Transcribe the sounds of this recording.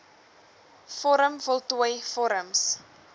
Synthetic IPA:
fɔɾəmfɔlˠtuəjfɔɾəms

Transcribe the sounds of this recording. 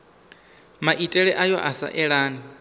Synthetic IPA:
maʔitʼɛɺɛʔajɔʔasa̰ʔɛɺaːni

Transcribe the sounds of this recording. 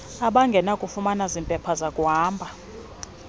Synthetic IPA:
aɓaŋɡʱɛnakʼufumanazimpʼɛpʰazakʼuɦaːmbʱa

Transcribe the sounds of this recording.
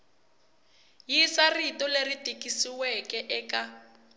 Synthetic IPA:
jisaritɔleritʼikisiwɛkɛʔɛka

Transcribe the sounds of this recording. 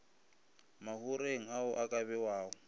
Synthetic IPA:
mahuɾeŋ̩ɦaʊʔakʼaβɛwaːʊ

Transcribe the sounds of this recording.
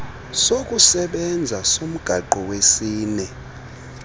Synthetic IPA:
sok̬ʼusɛɓɛnd͡zʱasom̩ɡ̥ʱaǃɔwesiːnɛ

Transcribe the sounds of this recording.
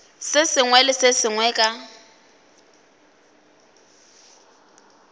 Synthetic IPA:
sɪsɪŋwɛlɪsɪsɪŋwɛːkʼa

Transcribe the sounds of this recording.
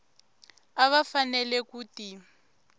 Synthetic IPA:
aβafanɛlɛkuːti

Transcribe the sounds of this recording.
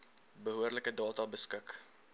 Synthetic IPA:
bəɦuərləkədɑːtɑbəskək

